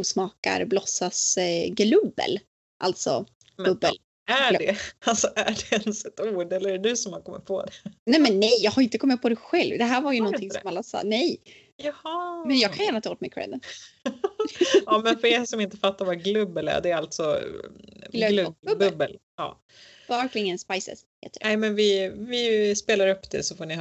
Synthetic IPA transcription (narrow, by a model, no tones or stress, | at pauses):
uːsmɑːka̰ɾblɔsːasɡlɵbːə̰l | ʔa̰lt̪sɔ̰ | mɵbːəl | æɖɛalsɔʔæɖɛɛnsɛt̪uːɖɛləɾæɖɛd̪ʉsɔmhaɾkʰɔmːɪ̰t̪̚pʰɔ̰d̪ɛnɛmɛnːɛjjɑːɡhaɾɪnt̪əkʰɔmːɪt̪̚pʰɔd̪ɛɧɛlvd̪ɛɦæːɾvaɾjɵnɔnɪŋsɔmalːasɑ̰nɛj | jɑhɑmɛnjɑːɡkʰanjæːɳat̪ʰɑːoːt̪mɛkʰɾɛ̰d̪ən | ɑːmɛnfœɛsɔmɪnt̪əfat̪ːaɾvaɡlɵbːəlæ̰ɖɛːalt̪sɔ | llɵbɵbːəl | ɑ̰ː | bɑɾklɪŋənspajsɛ̰shḛːt̪ənɛɪmɛnvɪvɪspeːlaɾɵpːd̪ɛ̰sɔfoːɳɪ